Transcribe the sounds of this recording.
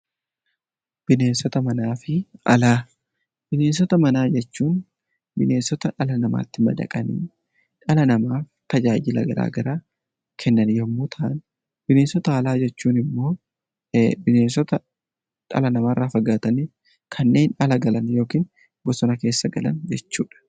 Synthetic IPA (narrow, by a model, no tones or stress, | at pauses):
b̥ɪne̞ːnsɔt̪ɐmɐnaːfɪɐ̰laː | b̥ɪne̞ːnsɔt̪ɐmɐnaːd͡ʒɛt͡ʃːuːn | bɪne̞ːnsɔt̪ɐᶑɐlɐnɐma̰ːt̪ːɪmɐ̰d̪ɐ̰kʼɐnḭː | ᶑɐlɐnɐmaː | t̪ɐd͡ʒaːd͡ʒɪlɐ̰ɡɐ̰ɾa̰ːɡɐɾaː | kʰɛnːɐnjɔmːʊt̪ʰɐʔn | b̥ɪneːnsɔt̪ɐːlaːd͡ʒɛt͡ʃːuːnɪmːo̞ː | bɪneːnsɔt̪ɐ | ᶑɐ̰lɐnɐmaːrːaːfɐɡaːt̪ɐnɪ | kʰɐnːe̞ːnɐlɐɡɐlɐnjo̞ːkiːn | bɔsɔnɐke̞ːsːɐɡɐ̰lɐ̰nd͡ʒɛt͡ʃːuːᶑɐ̥